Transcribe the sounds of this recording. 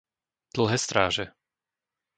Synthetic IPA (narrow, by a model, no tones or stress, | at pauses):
d̪̥l̩ˠɦɛːst̪ɾaːʒɛ